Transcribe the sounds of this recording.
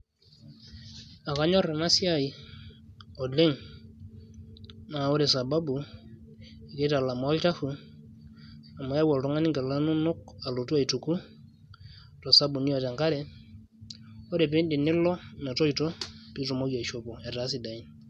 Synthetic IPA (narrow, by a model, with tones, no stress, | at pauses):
a˨ka˨ɲɔ˦ɾɛ˨na˦si˦a˦i˨ | ɔ˨le˦ŋ | na˨a˨o˦ɾɛ˨sa˨ba˦bu˨ | i˨kɛ˦ta˨la˨ma˨˦lta˦hu˨ | a˨ma˨ja˦wa˨ltɔ˦ŋa˦ni˦ŋɡa˨la˦nu˦nʊ˦k̚a˨lo˨tu˦a˦i˨tu˨ku˦ | tɔ˨sa˦bu˨ni˦ɔ˨tɛ˨ŋka˦ɾɛ˦ | ɔ˦ɾɛ˨pɪ˦ndi˨nɪ˦lɔ˦nɛ˨tɔ˦i˨tɔ˦pi˦tɔ˨mo˦ɡa˨ʃo˦pɔ˨ɛ˨ta˨˦si˨da˨i˦n